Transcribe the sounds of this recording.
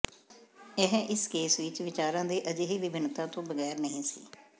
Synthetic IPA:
ɛɦʔɪskeːsʋɪt͡ʃʋɪt͡ʃaːɾãːd̪eːʔəd͡ʒeɦiːʋɪbʱɪnːt̪ãːt̪õːbəɣɛːɾnəɦĩːsḭː

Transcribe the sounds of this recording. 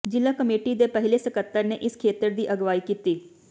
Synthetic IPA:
d͡ʒɪlaːkəmeːʈid̪eːpəɦɪleːsəkət̪ːəɾneːʔɪskʰeːt̪əɾd̪iːʔəɡʋaːiːkiːt̪iː

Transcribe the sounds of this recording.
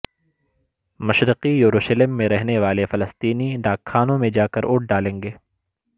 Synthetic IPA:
mɐʃɾɪqijuɾuːʃəlɪmːẽɾɛɦneʋaːlefɐləst̪iːniɖaːkʰːaːnõmẽd͡ʒaːkɐɾʔʊːʈ̚ʰɖaːlẽːŋɡeː

